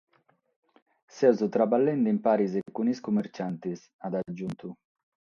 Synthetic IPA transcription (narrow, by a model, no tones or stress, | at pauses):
sɛzut̪ɾabalːɛnd̪impaːɾizɛkːuniskumːɛɾt͡ʃant̪is | ad̪ad͡ʒːunt̪u